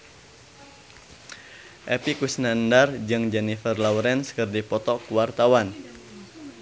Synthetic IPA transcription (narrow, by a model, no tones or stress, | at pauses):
ʔɛpikusnandard͡ʒɨŋd͡ʒɛnifərlawɾɛnskərdipɔt̪ɔkuwart̪awan